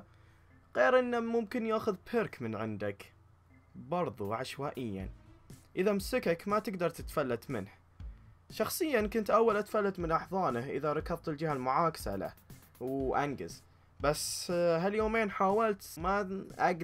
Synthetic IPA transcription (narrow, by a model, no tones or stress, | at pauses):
ɣeːɾʔɪnːamʊmkɪnjaːxʊðpʰɪɾkmɪnʕɪnd̪ak | bɑɾˤðˤuʕaʃwaːʔɪjːa̰nʔɪðamʊsɪkakmat̪ɪɡd̪ɑɾˤt̪ɪt̪falːat̪mɪ̰nh | ʃɑxsˤɨjːankʊnt̪ʔawːalʔat̪falːat̪mɪnʔɑħðˤɑːnahʔɪ̰ðaɾˤɑkɑðˤt̪ɪld͡ʒɪhalmʊʕaːkḁsa̰la̰h | wʔanɡɪ̰z | basːɦaljoːmeːnħaːwalt̪maʔaɡ